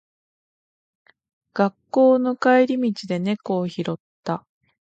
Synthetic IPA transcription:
ɡ̥akːo̞ːno̞kaeɾʲimʲit͡ɕid̪e̞ne̞ko̞ːçiɾo̞t̪ːa

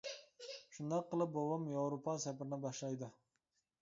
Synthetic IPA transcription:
ʃund̪ɑqːəlˠɨp̚bowɑmjɑwɾopʰɑsæpɾɪnɪbɑʃlˠɑjd̪ɨ

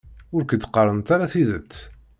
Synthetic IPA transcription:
ʊɾkəd̪qərˤənt̪aɾaθiðət͡sː

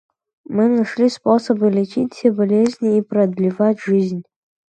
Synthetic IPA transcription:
mɨnɐʂlʲisposəbɨlʲɪt͡ʃitʲfʲsʲebɐlʲezʲnʲiːpɾɐd̪lʲivatʲʐɨzʲnʲ

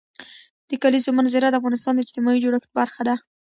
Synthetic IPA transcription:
d̪̥əkalizomanzeɾad̪əafɣɑnɪst̪ɑnd̪əɪd͡ʒt̪ɪmɑid͡ʒoɽaxt̪baɾxad̪a

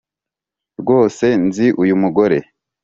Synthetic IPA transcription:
ɾɡo̞ːse̞nziʔujumuɡo̞ɾe̞

